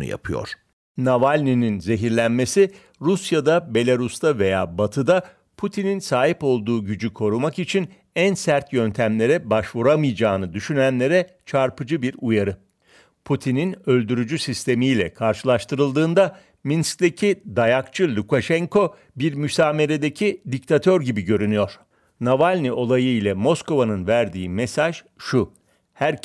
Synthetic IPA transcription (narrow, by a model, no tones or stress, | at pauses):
nṵja̰pʰɯjo̰ɾ̥ | navalʲnininze̞ɦiɾlʲænme̞si | ɾusjad̪abe̞lʲaɾust̪ave̞jaːbat̪ʰɯd̪a | pʰut̪ʰininsaːɦipo̞lˠd̪uːɟyd͡ʒykʰo̞ɾumakit͡ʃʰin | ænsæɾt̪ʰjø̞nt̪ʰæmlʲe̞ɾɛbaʃvuɾamɯjd͡ʒaːnɯd̪yʃynænlʲe̞ɾɛ | t͡ʃʰaɾpʰɯd͡ʒɯbiɾujaɾɯ | pʰut̪ʰininø̞lʲd̪yɾyd͡ʒysist̪ʰe̞mijlʲɛ̰kʰaɾʃɯlˠaʃt̪ɯɾɯlˠd̪ɯːnd̪a | minsk̚d̪e̞cʰid̪ajakt͡ʃʰɯlʲukaʃɛŋkʰo̞ | biɾmysaːme̞ɾe̞d̪e̞cʰid̪ic̚t̪ʰat̪ʰøɾɟibiɟø̞ɾynyjo̞ɾ̥ | navalʲniʔo̞lˠajɯilʲɛmo̞sko̞vanɯnvæɾd̪iːmesaʒ̥ | ʃu | hæɾ